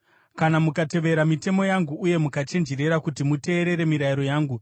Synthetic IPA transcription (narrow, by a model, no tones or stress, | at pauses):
kanamukate̞ʋe̞ɾamite̞mo̞jaŋɡuːje̞mukat͡ʃe̞nd͡ʒeɾe̞ɾakutimute̞ːɾe̞ɾe̞miɾaiɾo̞jaːŋɡu